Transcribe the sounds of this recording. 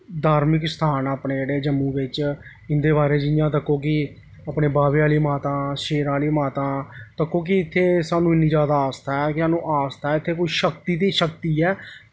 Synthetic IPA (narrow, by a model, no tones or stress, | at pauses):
d̪aːɾmɪkst̪ʰaːnaːpneːd͡ʒeːɽeːd͡ʒəmːũːʋɪt͡ʃ | ɪnd̪eːbaːɾeːd͡ʒɪjãːt̪əkːõːkɪ | aːpneːbaːʋeːaːliːmaːt̪ãːʃeːɾaːliːmaːt̪ãːt̪əkːõːk̬ɪɪt̪ʰːeːsaːnũːɪnːĩːd͡ʒaːd̪aːaːst̪aːɛːkɪsaːnũːʔaːst̪aːɛɪt̪ʰːeːkoːiːʃəkt̪iːt̪iːʃəkt̪iːɛː